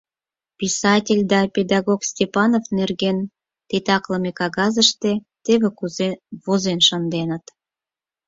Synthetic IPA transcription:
pʲisɑtʲelʲd̪ɑpʲed̪ɑɣoksʲtʲepɑnofnerɣen | t̪ʲet̪ɑkləmekɑɣɑzəʃt̪e | t̪eβekuvozenʃənd̪enə̆t̪

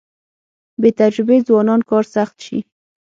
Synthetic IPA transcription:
bet̪ad͡ʒɾʊbezwɑnɑnkɑɾsaxt̪ʃḭ

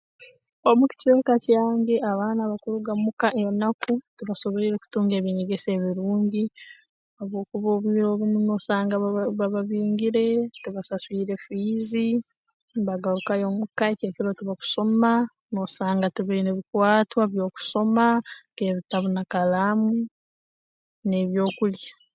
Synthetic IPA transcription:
o̞muci̥ce̞ːkacaːŋɡe̞ʔaβaːnaβakuɾuɡamukaʔenakutuβaso̞βeiɾeku̥tuːŋɡeβiɲeɡe̞se̞ːβiɾuːɲɟi | oβo̞ːkuβo̞ːβiiɾo̞ːβumuno̞ːsaːŋɡaβaβaβiːŋɡiɾe̞tuβasaswiːɾe̞fiːzi | βaɡaɾukajomukaeceːkiɾo̞tuβaku̥so̞ma | no̞ːsaːŋɡatuβaineβikwaːtwaβjo̞ːku̥so̞make̞βitaβunakalaːmu | ne̞βjo̞ːkulja

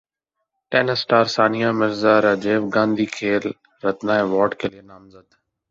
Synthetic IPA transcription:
ʈeːnəsʈaːɾsaːnijamɪɾzaɾɐd͡ʒeːʋɡãːnd̪ʱiːkʰeːl | ɾɐt̪naːeʋɔːɾʈkʰeːlienaːmzəd̪

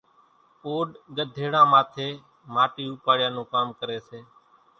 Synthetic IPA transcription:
oːɗɠəd̪ʱeːɽãːmaːt̪ʰeː | maːʈiːuːpaːɽjãːnũːkaːmkəɾeːseː

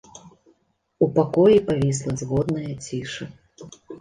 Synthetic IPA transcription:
upakɔjipavʲis̬lˠɐzɣɔd̪nɐjɐt͡sʲiʂɨ

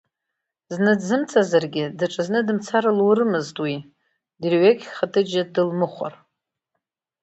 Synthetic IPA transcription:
znɨdzɨmt͡sʰazarɡʲɪdaʈ͡ʂʼɨznɨdɨmt͡sʰaɾalwurɨmɨztʼwi | drɥekʲχatʰɨd͡ʒadɨlmɨχʷa̰r

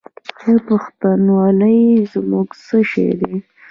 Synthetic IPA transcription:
xepʊxt̪anwɑləjzmuɡsəʃḛjd̪e

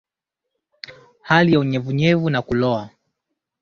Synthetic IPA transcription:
halijauɲɛvuɲɛvunakulɔa

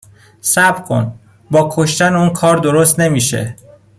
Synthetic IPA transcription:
sæbɾkʰo̰n | bɒːkʰoʃt̪ænuːnkʰɒːɾd̪oɾost̪ne̞miːʃḛ

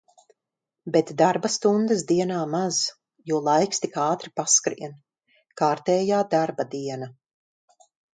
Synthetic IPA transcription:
bɛt̪d̪aɾbast̪und̪ɨsd̪iɛnaːmaz̥ | juɔlˠajkst̪ikaːt̪ɾipaskɾḭɛn | kaːɾt̪ɛːjaːd̪aɾbad̪iɛna

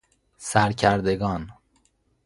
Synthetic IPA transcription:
sæɾcʰæɾd̪eɡɒːn

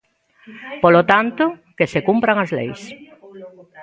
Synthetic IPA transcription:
polot̪ant̪ʊkesekumpɾaŋazlḛjs

